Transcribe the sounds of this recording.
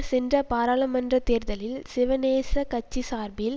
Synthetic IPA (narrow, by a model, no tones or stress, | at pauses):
sɛndrɐpaːɾaːlɐmɐndrɐt̪eːɾðɐlɪlsɪʋɐneːsɐkɐt͡ʃːisaːɾbɪl